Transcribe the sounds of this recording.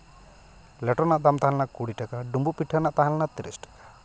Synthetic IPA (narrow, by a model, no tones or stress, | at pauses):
lɛʈɔnaʔd̪amt̪aɦãlɛnakuɽiʈakaɖumbupiʈʰːanaʔt̪aɦãlɛnat̪ɾisʈḁkḁ